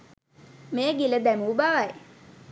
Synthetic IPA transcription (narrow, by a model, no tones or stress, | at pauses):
meːɡiləd̪æmuːbaʋaj